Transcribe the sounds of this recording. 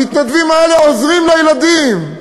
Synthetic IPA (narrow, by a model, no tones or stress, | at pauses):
it̪nad̪vimaeleozʁimlejelad̪im